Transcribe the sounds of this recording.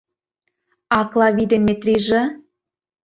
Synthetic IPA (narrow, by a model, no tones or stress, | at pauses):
ɑklˠɑβid̪emːet̪rʲiʒĕ